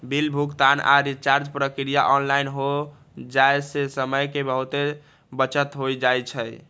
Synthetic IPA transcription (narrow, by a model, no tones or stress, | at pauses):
bilbʱukt̪anʔa̰ɾit͡ʃaɾd͡ʒpɾəkɾija̰ʔɔnlainɦo | d͡ʒaesesəməjkebəɦut̪e | bət͡ʃət̪ɦojd͡ʒajt͡ʃʰəj